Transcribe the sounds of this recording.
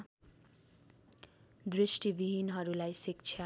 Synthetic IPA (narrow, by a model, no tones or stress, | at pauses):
d̪ɾisʈibiɦinɦʌɾulajsikt͡sʰja